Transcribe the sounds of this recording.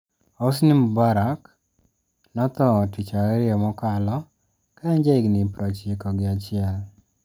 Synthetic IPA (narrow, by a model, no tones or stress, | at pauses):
os̬nimbaɾak | nɔt̪ɔtit͡ʃaɾɛɾɪɔmɔkalɔ | kaɛɲd͡ʒeɡnipɾɔt͡ʃikɔɡɪat͡ʃɪɛl